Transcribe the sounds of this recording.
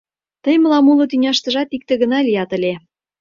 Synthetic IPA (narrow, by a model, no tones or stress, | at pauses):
t̪ə̆jmə̆lɑmulŏt̪ynʲɑʃt̪ə̆ʒɑt̪ik̚t̪ĕɣə̆nɑlʲijɑt̪ə̆lʲe